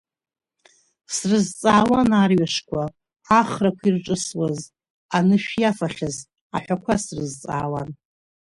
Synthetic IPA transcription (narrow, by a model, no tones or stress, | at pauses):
srɨzt͡sʼaːwanarɥaʂkʷʰaː | χrakʷʰirʈ͡ʂʼɨswaz | anɨʃᶣjafaχʲaz | a̰ħᶣʷakʷʰasrɨzt͡sʼa̰ːwa̰n